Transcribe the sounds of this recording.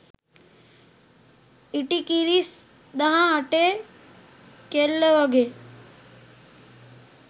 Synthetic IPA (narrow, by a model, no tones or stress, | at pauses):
iʈikiɾis | ɗ̪aɦãəʈe | kelːəʋəɡʱeː